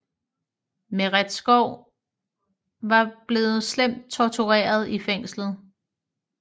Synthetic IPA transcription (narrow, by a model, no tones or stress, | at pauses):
meʁad̥sɡ̥ɒʊ̰ | ʋɑ̈b̥le̝ːð̞̩ˠslem̰d̥̚t͡sʰɒt͡sʰuʁɛ̰ːɐð̞ˠifeŋ̰slð̞̩ˠ